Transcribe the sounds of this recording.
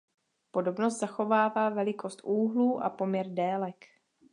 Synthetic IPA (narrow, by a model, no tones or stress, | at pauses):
po̞do̞bnos̬t̪z̥axo̞vaːvaːvɛlɪkʰo̞st̪ʔuːɦluːʔa̰po̞mɲɛɾdɛːlɛk